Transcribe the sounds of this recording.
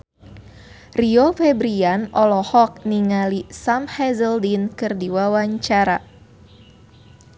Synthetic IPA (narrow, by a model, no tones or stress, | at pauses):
riofɛbɾianɔlɔhɔk̚niŋalisamhɛzəldinkɨrdiwawaɲt͡ʃaɾa